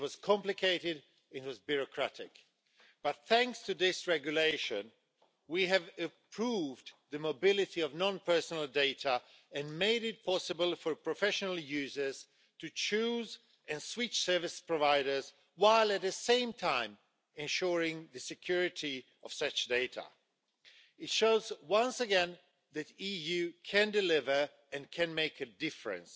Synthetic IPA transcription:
wʌz̥kʰɑ̃mplɪkʰeɪɾɪd | ɪ̃twʌzbjʊɹɔkʰɹ̥æɾɪk | b̥ʌt̪̚θæ̃ŋkstɨðɪsɹɛɡjuleɪʃə̃n | wiɨvɨpʰɹ̥uvðɨmobɪlɪtiɔvnɔ̃npɜ˞sənəlˠdeɪtə | ɨ̃nmeɪɾɪt̚pʰɑsɨbəlˠfəɹpʰɹɔfɛʃənəl̩ˠjʉːzə˞z̥ | tɨt͡ʃʰuz | ɛ̃nswit͡ʃsɜ˞vɪspɹɔvaɪɾə˞z | waɪlˠɨt̪̚ðɨsẽɪ̃mtʰãɪ̃m | ɨ̃nʃuɹɪ̃ŋðɨsɨkʰj̥uɹɪti | ɔv̥sʌt͡ʃdeɪtʰə̰ | ɪtʃoʊzwʌ̃nsəɡɛ̃n | ðɨtijʉkʰɨ̃ndɨlɪvə˞ | ɨ̃nkʰɨ̃nmeɪkɨdɪfɹɨ̰̃ns

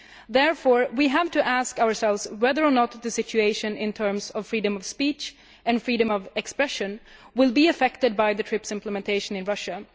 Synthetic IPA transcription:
ðɛɹfɔɹwiɦævtɨʔæskaʊə˞sɛlˠvz̥wɛðə˞ənɔt̪̚ðɨsɪt͡ʃʉeɪʃɨ̃nɪ̃nt̪ʰɜ̃˞msʌv̥fɹiɾɨ̃mʌv̥spit͡ʃ | ɨ̃nfɹiːɾɨ̃mʌvɛkspɹɛʃɨ̃nwɪlˠbiɨfɛktɨd̚baɪðɨtʰɹ̥ɪpsɪ̃mpʰləmɛ̃ntʰeɪʃə̃nɨ̃nɹʌʃɨ

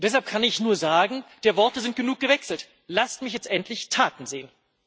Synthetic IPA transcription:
d̥ɛshalp̚kʰanɪçnuːɐzaːɡŋ̩d̥eːɐvɔɐtəzɪnt̚ɡ̥ənuːk̚ɡ̥əvɛksl̩t | lastmɪçjɛt͡stʔɛntʰlɪçtʰaːtn̩zeːən

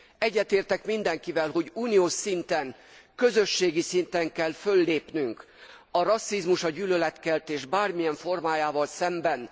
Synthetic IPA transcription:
ɛɟːɛt̪eːrt̪ɛkmind̪ɛŋkivɛlɦo̞ɟuːnioːʃsint̪ɛŋkø̞zø̞ʃːeːɡisint̪ɛŋkɛlfø̞lːeːpnyŋk | ɒɾɒsːizmuʃɒɟyːlølɛt̪kɛlt̪eːʒbaːrmijɛɱfo̞rmaːjaːvɒlsɛmbɛn

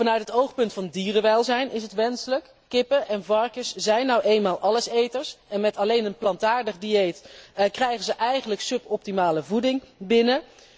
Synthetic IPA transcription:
vɑnœɥtɦətowχpɵntfɑndiːrəʋɛlˠzɛjnʔɪsɦətʋɛnsələkːɪpəʔɛnvɑɹkəszɛjnːɔwʔejnmaːlˠʔɑləsejtəɹsɛnmɛtɑlejnənplɑntaːɹdəχdiejtkrɛjχəzəʔɛjχənləksɵpɔp̚timaːləvudɪŋbɪnə

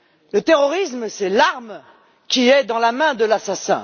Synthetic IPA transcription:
lət̪eʁɔʁisməsɛlaʁm | kʲiɛd̪ɑ̃lamɛ̃d̪əlasasɛ̰̃

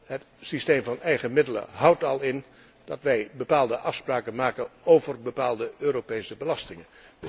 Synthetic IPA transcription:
ɦət | sistejmvɑnɛjχəmɪdələ̰ɦʌwtɑlˠɪn | d̥ɑtʋɛjbəpaːlˠdəʔɑfspraːkənmaːkənowvərbəpaːlˠdəøːɾopejsəbəlɑstɪŋən

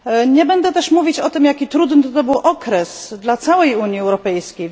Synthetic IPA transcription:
ɲɛbɛnd̪ɛt̪ɛʂmuvʲit͡ɕɔt̪ɘmjakʲit̪ɾud̪nɘt̪ɔt̪ɔbɘwʔɔkɾɛsd̪lat̪sawɛjuɲjiɛwɾɔpɛjskʲej

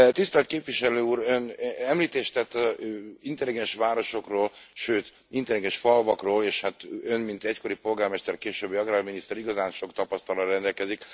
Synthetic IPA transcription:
t̪ist̪ɛlt̪keːpʋiʃɛløːuːɾønɛmliːt̪eːʃt̪ɛt̪ːɒint̪ɛliɡɛnʃʋaːɾo̞ʃo̞kroːlʃøːt̪ | int̪ɛliɡɛnʃfɒlvɒkroːleːʃhat̪ønmint̪ɛcko̞ɾipo̞lɡaːrmɛʃt̪ɛrkeːʃøːbːjɒɡraːlminist̪ɛɾiɡɒzaːnʃo̞kt̪ɒpɒst̪ɒlɒrɛnd̪ɛlkɛzik

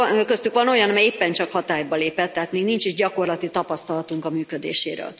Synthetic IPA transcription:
økøst̪ykʋɒno̞jɒnɒmɛjeːpːɛnt͡ʃɒkhɒt̪aːjbɒleːpɛt̪ːɛɦaːt̪meːɡnint͡ʃiʒɟɒko̞rlɒt̪it̪ɒpɒst̪ɒlɒt̪uŋkɒmyːkød̪ḛːʃeːɾø̰ːl

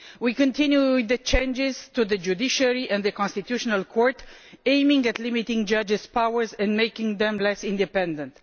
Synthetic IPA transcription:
wikə̃nt̪ʰĩnjuðət͡ʃẽnd͡ʒɪz̥t̪uðəd͡ʒud̪iʃaɹiʔɛ̃nd̪ðəkɔ̃nst̪it̪juʃɔnalkʰɔɹt̪ẽjmɪ̃ŋɡæt̪limit̪ɪ̃ŋɡd͡ʒad͡ʒɪzpawəɹzɛ̃ndmejkɪ̃ŋðɛ̃mlɛsĩnd̪ipɛ̃nd̪ə̃nt̪

